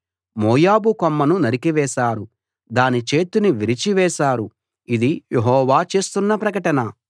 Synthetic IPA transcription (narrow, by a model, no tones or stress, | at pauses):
moːjaːbukomːɐnunɐɾikiʋɛːʃaːɾu | d̪aːnit͡ʃe̞ːt̪uniʋiɾit͡ʃiʋɛːʃaːɾu | id̪ijeɦɔːʋaːt͡ʃe̞ːst̪unːɐpɾɐkɐʈɐnɐ